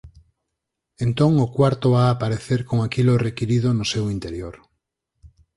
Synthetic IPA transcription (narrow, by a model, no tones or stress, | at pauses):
ẽnt̪oŋokwaɾt̪oβaːpaɾeθeɾkoŋakilorekiɾið̞onosewint̪eɾjoɾ